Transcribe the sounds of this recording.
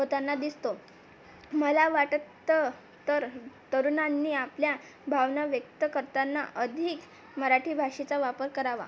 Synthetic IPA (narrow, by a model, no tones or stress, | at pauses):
ɦot̪anːad̪ist̪o | məlaʋaʈt̪ːə | t̪əɾt̪əɾunanːiːaplja | bʱaʋnaʋjək̚t̪əkəɾt̪anːa̰ʔəd̪ʱiːk | məɾaʈʰiːbʱaʂit͡saʋapəɾkəɾaʋa̰